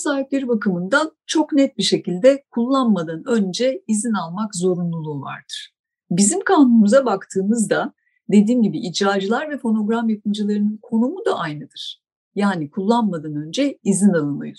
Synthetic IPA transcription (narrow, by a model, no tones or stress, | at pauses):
saːɦiplʲe̞ɾibakɯmɯnd̪at͡ʃʰo̞knɛt̪̚biʃe̞cilʲd̪ɛkʰulˠːanmad̪anø̞nd͡ʒɛizinalˠmakzo̞ɾunlˠulˠuva̰ɾd̪̥ɯɾ̥ | bizimkʰaːnunmuzabakt̪ʰɯːmɯzd̪a | d̪e̞d̪iːnɟibiʔid͡ʒɾaːd͡ʒɯlˠaɾvɛfo̞no̞ɡɾamjap̚ʰɯnd͡ʒɯlˠaɾɯnɯnkʰo̞numud̪a̰ʔajnɯd̪ɯɾ̥ | jaːnikʰulˠːanmad̪anø̞nd͡ʒɛizinalˠɯmˠɯ̰jo